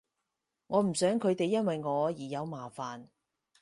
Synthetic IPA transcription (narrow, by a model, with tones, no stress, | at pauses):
ŋɔː˨˧m̩˨˩sœː˨˥ŋkʰɵ˨˧ɥt̪e˨jːɐ˥nwɐ˨jŋɔː˨˧jiː˨˩jɐ˨˧wmaː˨˩faː˨n